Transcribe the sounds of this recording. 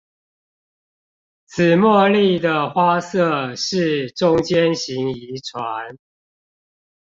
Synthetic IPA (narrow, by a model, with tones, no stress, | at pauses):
t͡s̩ʰ˨˩mwɔ˥˧li˥˩˨d̪ə˩xwa˦sɤ˥˨ʂɻ̩˥˨ʈ͡ʂʊ˦ŋt͡ɕjɛ˦nɕi˨˦ŋi˨˦ʈ͡ʂʰwa˨˦n